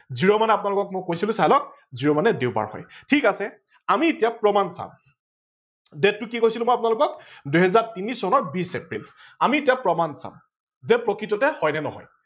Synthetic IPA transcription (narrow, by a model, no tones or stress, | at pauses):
ziɹɔmanɛapʊnalʊkɔk̚mʊkojsilʊ̃sajlɔk̚ | ziɹɔmanɛdewba̰ɹhɔ̰jtʰikasɛ | amietijapɹɔmansa̰m | dɛtːʊkikojsilʊmɔjapʊnalʊkɔkduɦɛzaɹtinisɔnɔɹbisepɹḭl | amietijapɹɔmansã̰m | zɛpɹɔkɹitɔtɛhɔjnɛnɔ̰ɦɔ̰j